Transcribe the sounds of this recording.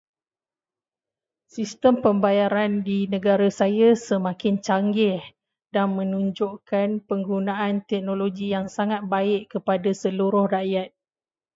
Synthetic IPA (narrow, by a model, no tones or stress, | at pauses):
sist̪əmpəmbajaɾandinə̃ɡaɾasajasəmãkɪnt͡ʃaŋɡɪh | danmə̃nũɲd͡ʒoʔkanpəŋɡunaant̪ɛk̚noloɡijaŋsaŋat̪̚baɪʔkəpadasəluɾʊhraʔjat̪̚